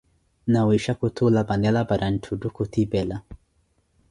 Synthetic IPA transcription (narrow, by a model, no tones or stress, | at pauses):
nawiʃakut̪ʰulabanɛlabaɾan̩tʰudukut̪ibɛla